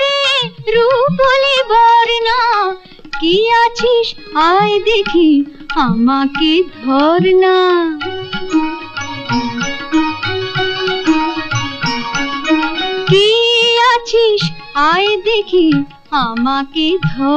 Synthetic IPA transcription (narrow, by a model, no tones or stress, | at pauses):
eɾukolibɔɾna | kiat͡ɕʰiʃ | ajd̪ekʰi | amaked̪ʱɔɾna | kiat͡ɕʰiʃ | ajd̪ekʰi | amaked̪ʱɔ